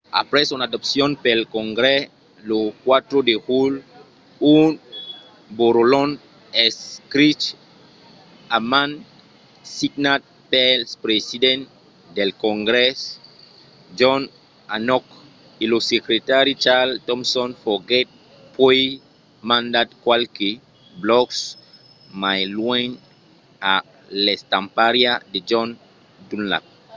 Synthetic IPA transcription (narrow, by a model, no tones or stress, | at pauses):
a̰pɾɛsunadɔpsjɔ̃npelkɔ̃ŋɡɾɛ | lokwat̪ɾodekul | un | boɾolɔn | ɛskɾit͡ʃ | amãn | siɡnat̚pɛlspɾesidɛ̃n | d̪elkɔ̃ŋɡɾɛs | d͡ʒɔn | anɔk | ilosekɾetaɾit͡ʃaltɔ̃msɔ̃nfɔɡɛt̚ | pʰɔ | mãndatkwalki | blɔks | majlwɛ̃n | a | lɛstãmpaɾiaded͡ʒɔn | dunla̰p̚